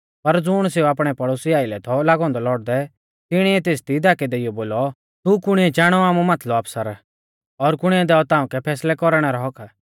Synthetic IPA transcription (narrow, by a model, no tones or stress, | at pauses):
pɐɾd͡zʊɽ̃seːuaːpɽ̃ɛpɐɽoːsiaːɪlɛt̪ʰɔlaːɡɔ̃ːnd̪ɔlɔːɽd̪ɛ | t̪ɪɽ̃iɛt̪eːst̪id̪aːkɛd̪eɪjɔboːlɔ | t̪ukʊɽ̃ɪɛt͡ʃaːɽ̃ɔaːmumat̪ʰlɔbɐpsəɾ | ɔɾkʊɽ̃iɛd̪ɛːɔt̪ãːũkɛpʰɛːslɛkɔɾɽ̃ɛɾɔɦɔkʰa